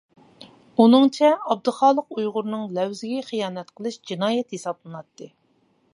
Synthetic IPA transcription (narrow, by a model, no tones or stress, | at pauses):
unɨŋt͡ʃʰɛɑb̚d̪ɨχɑːlˠəqujʁʊɾnɨŋlɛwzɪɡʲɛχijɑːnɛt̪qʰəlˠɨʃd͡ʒinɑːjɛt̪hesɑblˠɨnɑt̪ːɨ